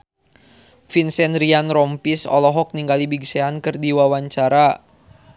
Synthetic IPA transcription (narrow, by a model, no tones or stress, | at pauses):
finsɛnɾianɾɔmpisɔ̰lɔɦɔk̚niŋɡalibiɡseankɨrdiwawaɲt͡ʃaɾa